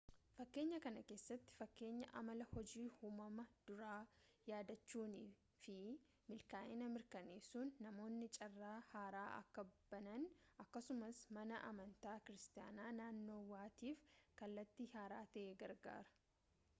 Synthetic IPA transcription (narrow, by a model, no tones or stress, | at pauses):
fɐkːe̞ːɲːɐkɐnɐke̞ːsːɐt̪ːɪ̥fɐkːe̞ːɲːɐ̰ʔɐ̰mɐlɐhɔd͡ʒiːhuːmɐmɐd̪̥ʊɾaːjaːd̪ɐt͡ʃːuːniː | fɪ | mɪlkaːʔɪnɐmɪɾkɐneːsuːnːɐmo̞ːnːɪt͡ʃʼɐrːaːhaːɾaːʔɐ̰kːɐb̥ɐnɐnʔɐkːɐsʊmɐsmɐnɐʔɐmɐnt̪aːkɪɾɪst̪ɪja̰ːnaːnaːnːo̞ːwaːt̪iːfkɐlːɐt̪ːihaːɾaːt̪ɐʔeːɡɐɾɡa̰ːɾɐ̥